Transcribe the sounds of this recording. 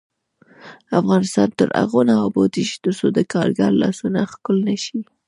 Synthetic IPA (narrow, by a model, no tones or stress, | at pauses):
afɣɑnɪst̪ɑnt̪əɾa̰ɣonaabot̪iʃi̥d̪əɾsod̪əkɑɾɡaɾlɑsunaxkʊlnaʃi